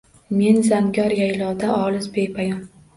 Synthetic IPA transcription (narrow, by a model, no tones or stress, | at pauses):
me̞nzaŋɡʲɒɾjajlɒd̪aʔɒlˠɪzbejpʰajɒn